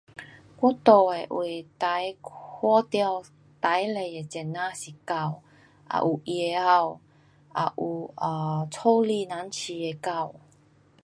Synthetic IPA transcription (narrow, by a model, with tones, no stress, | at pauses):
kʷu˥˦˥t̪o˨e˨˩ʔwe˨˩t̪a˨˧˦jʰɔ˧˦t̪ja˧w | t̪a˨˦jle˨˩e˧t͡ɕɛ˨˩nːã˧ɕi˨˩ka˥˧w | ʔa̰˨˩ʔu˨˩ʔje˨˧a˧w | ʔa˨˩ʔu˨˩ə˨˩t͡sʰo˥˧li˧nã˨˦nt͡ɕʰi˧e˧ka˥˧w